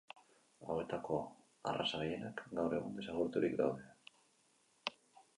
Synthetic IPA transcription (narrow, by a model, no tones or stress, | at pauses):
a̰we̞t̪ako̞ | a̰rasaɣeje̞nakɡawre̞ɣ̞und̪e̞saɣuɾt̪uɾikd̪awðe̞